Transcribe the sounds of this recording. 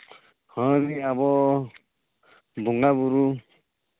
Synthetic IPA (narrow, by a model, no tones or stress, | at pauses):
hɔ̃ɾiabɔ | buŋɡabuɾu